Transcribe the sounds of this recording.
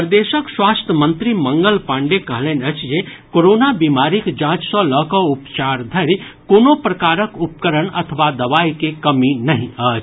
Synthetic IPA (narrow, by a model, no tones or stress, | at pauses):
pəɾd̪eːʃəkswaːst̪ʰəmə̃nt̪ɾimə̃ŋɡəlpãːɳɖekəɦlenət͡ʃjekoɾoːnabimaːɾikd͡ʒãːd͡ʒsə̃ləkəʊpt͡ʃaːɾd̪ʱɐɾkoːnopɾəkaːɾəkup̚kəɾənɐ̰t̪ʰəʋad̪ɐʋaːikekəminɐɦĩət͡ʃ